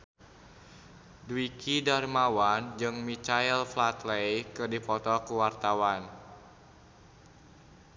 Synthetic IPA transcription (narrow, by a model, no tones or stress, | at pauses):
dwikidarmawand͡ʒɨŋmit͡ʃailflat̪lejkɨrdipɔt̪ɔkuwart̪awan